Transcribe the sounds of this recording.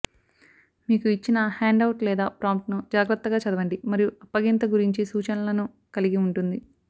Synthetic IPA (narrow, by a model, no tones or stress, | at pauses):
miːkuit͡ʃːinɐhaːɳɖɐwuʈlɛːd̪aːpɾaːmʈnud͡ʒaːɡɾɐt̪ːɐɡaːt͡ʃɐd̪ɐʋɐɳɖimɐɾijuʔɐpːɐɡint̪ɐɡuɾiɲt͡ʃisuːt͡ʃɐnɐlɐnu | kɐliɡiuɳʈund̪i